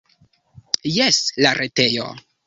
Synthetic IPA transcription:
jeslaɾʔete̞jo̰

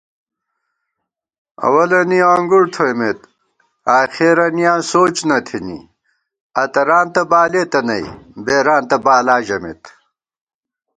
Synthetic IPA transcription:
ɐ̰wɐlɐniaːŋɡuɽt̪ʰojmet̪ | aːxeɾɐnijãːnsoːt͡ɕnɐt̪ʰinḭ | ɐt̪ɐɾaːnt̪ɐbaːleːt̪ɐnɐj̰beːɾaːnt̪ɐbaːlaːʑɐmḛt̪

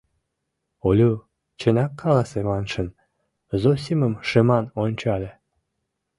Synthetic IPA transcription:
olʲu | t͡ɕə̆nʲɑkʰːɑlɑsemɑnʃən | zosʲiməmʃəmɑnonʲt͡ɕɑlʲe

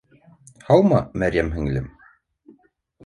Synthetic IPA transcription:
hɑlˠmɑmæɾjæmɦɘ̆ŋlɘm

